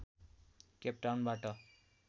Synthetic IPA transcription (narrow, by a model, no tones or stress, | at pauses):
kep̚ʈawnbaʈʌ